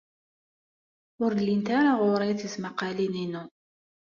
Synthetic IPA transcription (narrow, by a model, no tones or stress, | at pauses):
ʊɾlːint̪aɾaʁʊɾˤɑθəzmaqalininu